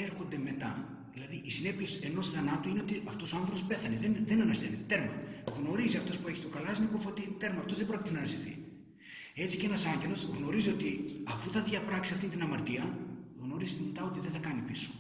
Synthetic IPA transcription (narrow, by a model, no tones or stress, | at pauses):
eɾxo̞nd̪e̞me̞t̪ɐ̰ | ðilɐðiʔisine̞piese̞no̞sθɐnɐt̪uineo̞t̪iʔɐft̪o̞soɐnθɾopospe̞θɐneðenðe̞nɐnɐst̪enet̪e̞ɾmɐ̰ɣno̞ɾiziɐft̪o̞spue̞çi̥t̪okɐlɐsinipofot̪it̪e̞ɾmɐːft̪o̞zðe̞bɾocʲit̪enɐnɐsiθḭ | e̞t͡sicee̞nɐsɐɲɟe̞lo̞sɣno̞ɾizio̞t̪iɐfuθɐðʝɐpɾɐksiɐft̪int̪inɐmɐɾt̪iɐɣno̞ɾizit̪emet̪ɐot̪iðeθɐkɐnipiso̥